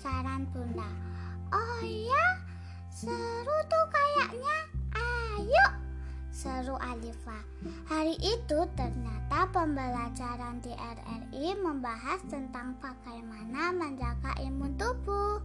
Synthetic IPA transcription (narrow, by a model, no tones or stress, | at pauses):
saɾanbunda | ʔɔja | səɾut̪ukajaʔɲaʔajoʔ | səɾuʔalifa | haɾiʔit̪ut̪ərɲat̪apəmbəlad͡ʒaɾandeʔɛrɛ̰riməmbaɦast̪ənt̪aŋpakajmanaməɲd͡ʒaka̰ʔimunt̪ub̥u